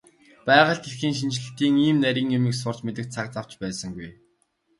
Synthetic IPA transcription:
pæːʁə̆ɮt̪ɡexxiːŋʃint͡ɕɮɘ̆t̪iːŋiːmnæɾʲiːŋemĭksʊr̥t͡ɕmet̪ɘ̆k̚t̪t͡sʰak̚t͡saw̥t͡ɕpæːsə̆ŋɡuj

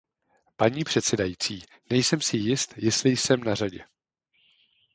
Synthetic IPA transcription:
paɲiːpr̝̥ɛt̪sɛdajiːt͡siː | nɛjsɛmsɪjɪst̪jɪst̪lɪjsɛmnar̝aɟɛ̰

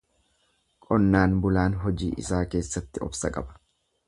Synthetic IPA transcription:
kʼɔnːaːnbʊlaːnɦɔd͡ʒiːʔɪ̰saːke̞ːsːɐt̪ːɪɔ̰bsɐkʼɐ̰bɐ̥

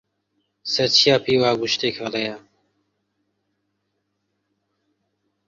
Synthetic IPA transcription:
sɐɾt͡ɕʰijaːpʰiːwaːɡuʃt̪eːkʰaɾeja

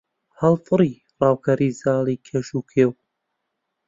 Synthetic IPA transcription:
hɐlˠfɨɾi | rɑːwkʰɐɾiːzaːliːkʰeʃuːkʰeːw

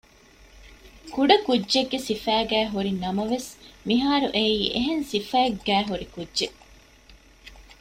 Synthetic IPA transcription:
kuɖɐkudːʒeɡːesifæːɡæːɦuɾinɐmɐʋesmiɦaːɾuʔeiːʔeɦensifæeɡːæːɦuɾikudʒe

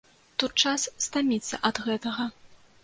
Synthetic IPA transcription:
t̪ut̪̚t͡ʂasːt̪amʲit̪sːɐ̰ʔɐd̪ɣɛt̪ɐɣɐ

